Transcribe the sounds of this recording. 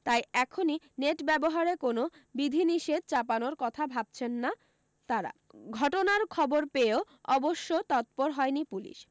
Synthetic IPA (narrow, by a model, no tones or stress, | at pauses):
t̪ajɛkʰoni | neʈbɛboɦaɾekonobid̪ʱiniʃed̪̚t͡ɕapanoɾkɔt̪ʰabʱab̚t͡ɕʰenːa | t̪aɾa̰ | ɡʱɔʈonaɾkʰɔboɾpeo | ɔboʃːot̪ɔt̪̚poɾɦɔenipulḭʃ